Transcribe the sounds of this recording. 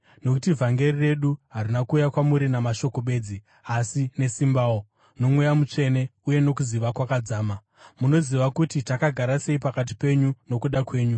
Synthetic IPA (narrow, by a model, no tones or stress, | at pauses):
no̞kutivʱaŋɡe̞rire̞ɗuɦarinakuːjakwamuɾinamaʃo̞ko̞ɓe̞ːd͡zi | asine̞simbaːwo | no̞mwejamut͡ʂe̞ne̞uje̞no̞kuziʋakwakad͡zaːma | muno̞ziʋakutitakaɡʱaɾase̞ipakat̬i̥pe̞ɲuno̞kuɗakwe̞ːɲu